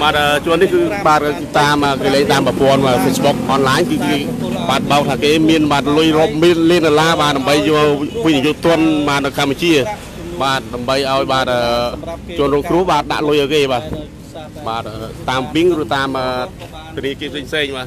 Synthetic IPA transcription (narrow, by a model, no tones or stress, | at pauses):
ɓaːt̪̚ʔəːt͡ɕʊ̆ənːihkɨːɓaːt̪̚ | t̪aːmʔəːkəleːŋt̪aːmpəpŏənəːfʰesɓuk̚ʔɑnlaːɲkɨːkeː | ɓaːt̪̚ɓaɔk̚t̪ʰaːkeːmiənɓaːt̪̚lʊjroəp̚miənliənɗolaːɓaːt̪ɗaəmɓəjːɔʋic̚nijuːʔt̪ʊ̆ənɓaːt̪̚nɨwkʰampːat͡ɕiə | ɓaːt̪̚ɗamɓəjʔaɔjɓaːt̪̚əːt͡ɕʊ̆ənruːəŋkrŭəhɓaːt̪̚ɗa̰ʔlʊjʔaːwkeːɓaː | ɓaːt̪̚ʔəːt̪aːmpiŋrɨət̪aːmʔəː | t̪ʰʊəniəkiəpʰseːŋpʰseːŋɓaː